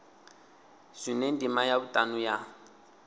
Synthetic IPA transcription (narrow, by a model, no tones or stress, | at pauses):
sinendimajabʊtʼanuja